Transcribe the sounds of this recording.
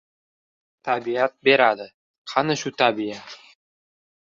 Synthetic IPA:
t̪abiat̪̚beɾad̪ə | qʰɑnɤʃut̪abiat̪

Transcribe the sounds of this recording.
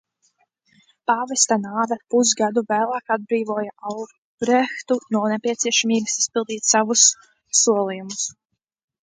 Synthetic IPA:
pavɛst̪anaːd̪apuzɡad̪uvæːlˠaːkad̪̚bɾiːvuɔjaʔal | ɾɛxt̪unuɔnepʲiɛt̪siɛʃamiːɡasi̥spilˠd̪iːt̪savusː | uɔlˠijumus

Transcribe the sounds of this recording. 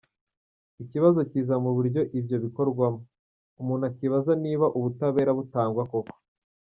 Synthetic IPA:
iciβazociːzamuβuɾɟo̞ʔibjo̞βiko̞ɾɡwamo | umuːn̥hakiβazaniːβaʔuβutaβe̞ːɾaβutaːŋɡwako̞ko̥

